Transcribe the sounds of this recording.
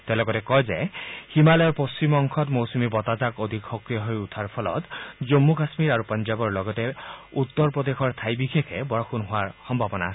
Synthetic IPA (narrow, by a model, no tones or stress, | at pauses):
t̪elɔɡɔtekɔjzejhimalɔjɔɹpost͡ʃimɔŋkʰɔt̪mowsumibɔt̪azakod̪ʱikxɔkɹijɔɦojut̪ʰaɹpʰɔlɔ̰t̪d͡ʒomːukasmiɾaɾupɔnd͡ʒabɔɹlɔɡɔteut̪ːɔɹpɹɔd̪exʰɔɹt̪ʰajbikʰekʰebɔɹɔxʰunɦowaɹxɔmbʱabɔnas